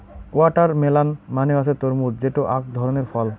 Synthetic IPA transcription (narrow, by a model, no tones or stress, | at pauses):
waʈaɾmelanmaneaʃʰet̪oɾmuɾd͡ʑeʈoʔakd̪ʱɔɾoneɾfɔl